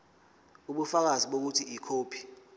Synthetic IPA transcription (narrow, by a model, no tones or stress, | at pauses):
uɓufak̬aziɓok̬utʰiikʰoːpʰi̥